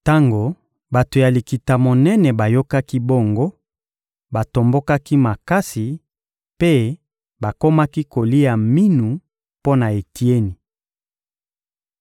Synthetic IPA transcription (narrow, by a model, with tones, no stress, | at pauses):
ta˦ŋɡo˨ | ba˨to˨ja˨li˨ki˨ta˨mo˨nɛ˦nɛ˨ba˨jo˦ka˦ki˦bo˦˨ŋɡo˦ | ba˨to˨mbo˦ka˦ki˦ma˨ka˦si˨ | pe˦ | ba˨ko˦ma˦ki˦ko˨li˦ja˨mi˦nu˨ | po˦na˨e˨ti˦e˦ni˨